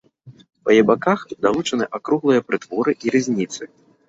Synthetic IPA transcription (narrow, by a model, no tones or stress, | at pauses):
pɐjɛbakaxd̪alˠut͡ʂɐnɨʔakɾuɣlˠɨjɐpɾɨt̪vɔɾɨʔiɾɨzʲnʲit̪sɨ